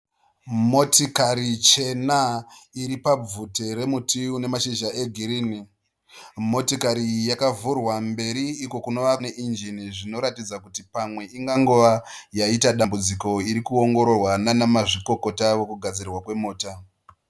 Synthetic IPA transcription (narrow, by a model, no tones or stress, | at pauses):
mo̞tikaɾit͡ʃe̞naiɾipab͡vuteɾe̞mutʰiune̞maʃiʒae̞ɡʱiɾiːni | mo̞tikaɾijakavurwambe̞ɾiːko̞kuno̞ʋaneʔind͡ʒiniʐino̞ɾatid͡zakutipamwe̞iŋɡaŋɡoʋajaitaɗambud͡ziko̞iɾikuo̞ŋɡo̞ɾo̞rwananamaʐiko̞ko̞taʋo̞kuɡʱad͡zirwakwe̞moːta